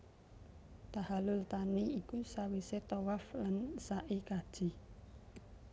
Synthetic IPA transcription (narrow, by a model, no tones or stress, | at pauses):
t̪ahalʊlt̪aniikusawiset̪owaflansaʔikad̥ʒ̥i̤